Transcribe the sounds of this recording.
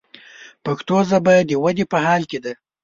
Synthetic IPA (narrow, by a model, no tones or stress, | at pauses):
paxt̪ozabɑjad̪ːəwad̪epəhɑlked̪a